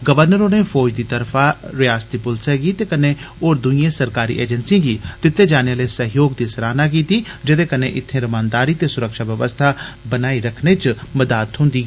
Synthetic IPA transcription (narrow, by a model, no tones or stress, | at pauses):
ɡəʋəɾnəɾoːneːfʰɔːd͡ʒd̪iːt̪əɾfʰaːɾɪjaːst̪iːpʊlsɛɡiːt̪eːkənẽːoːɾd̪ʊiẽːsəɾkaːɾḭːʔḛːd͡ʒənsiãːɡiːd̪ɪt̪ʰːeːd͡ʒaːneaːleːsəɦjoːɡd̪iːsəɾaːnaːk̬iːt̪iːd͡ʒɪd̪eːkənḛːʔɪt̪ʰːẽːɾəmaːnd̪aːɾiːt̪eːsʊɾəkʃaːʋjəʋəst̪ʰaːbənaːiɾəkʰneːt͡ʃməd̪aːt̪ɦʊ̃nd̪iː